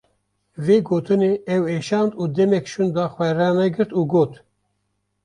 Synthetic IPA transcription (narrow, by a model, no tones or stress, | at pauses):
veːɡoːt̪ʰɨneːɛweːʃɑːnd̪uːd̪ɛmɛkʃund̪ɑːxwɛɾɛːnɛɡɨɾt̪uːɡoːt̪